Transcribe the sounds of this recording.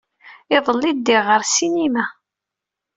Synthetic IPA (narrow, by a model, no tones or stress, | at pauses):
ɪðˤəlːid̪ːɪʁəɾsinimæ